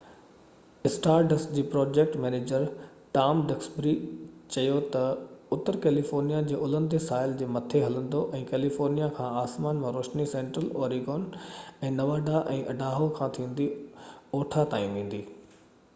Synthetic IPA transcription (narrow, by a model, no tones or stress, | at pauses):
ɪsʈaːɾɖəsd͡ʑiːpɾɔːd͡ʑeːk̚ʈmɛːneːd͡ʑəɾ | ʈaːmɖɐksbɾit͡ɕɐjot̪ɐʊt̪əɾkɛːlifɔːɾnijad͡ʑeːʔʊlə̃nd̪esaːɪld͡ʑeːmɐt̪ʰeɦɐlə̃nd̪oʔɛ̃ːkɛːlifoːɾnijakʰãːaːsmaːnmãɾoːʃnisẽːɳʈɾəlɔːɾiɡɔːnɛ̃ːnɐʋaːɖaʔɛ̃ːʔɐɖaːɦokʰãːt̪ʰĩːn̆d̪ioːʈʰat̪aːjĩʋẽːn̆d̪iː